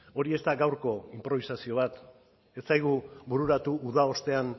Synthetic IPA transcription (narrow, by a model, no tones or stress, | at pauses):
o̞ɾie̞st̪aɡawɾko̞impɾo̞β̞isasio̞βat̪ | e̞st͡sajɣubuɾuɾat̪uːðao̞st̪e̞an